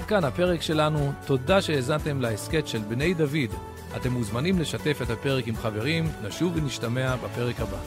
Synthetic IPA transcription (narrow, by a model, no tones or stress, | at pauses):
dkanape̞ʁe̞kʃe̞lanuto̞daʃe̞eːzante̞mlaeske̞tʃe̞lbne̞jdavid | ate̞muzmanimle̞ʃate̞fe̞thape̞ʁekimχave̞ʁimnaʃuveniʃtame̞abape̞ʁe̞khaba̰